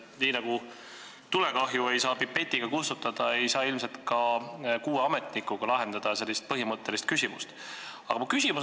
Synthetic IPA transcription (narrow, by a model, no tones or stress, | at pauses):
niːnɑɡ̥u | t̪ule̞kɑɦjue̞jsɑːpipːe̞t̪ʲːˑiɡ̥ɑkust̪ut̪ːˑɑd̪̥ɑe̞jsɑːilmse̞lt̪kɑkuːeɑme̞t̪nikːˑuɡ̥ɑlɑɦe̞nd̪̥ɑd̪̥ɑse̞lːist̪̚pɤɦimɤt̪ːe̞list̪̚kysʲimust̪ɑ̰ɡɑkys̬ʲimu